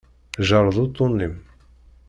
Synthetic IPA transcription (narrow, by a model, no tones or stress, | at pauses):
ʒɑɾˤðˤut̪ˤːunːim